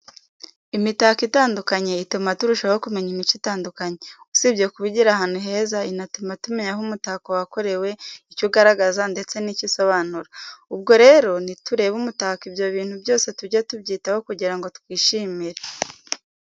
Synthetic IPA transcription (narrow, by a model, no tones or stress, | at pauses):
imitakitaːndukaɲe̞itumatuɾuʃahokume̞ɲimit͡ʃitaːndukaɲe̞usibɟe̞kuβiɟiɾahaːn̥huɦe̞ːzainatumatumeɲaɦumutakowako̞ɾe̞we̞icuɡaɾaɡazande̞t͡se̞niciso̞βaːnuɾaubɡo̞ɾe̞ɾo̞nituɾe̞ːβumutakibjo̞βiːn̥hubjo̞ːse̞tuɾɟatubɟiːtahokuɟiɾaŋɡo̞tu̥kwiːʃimiɾe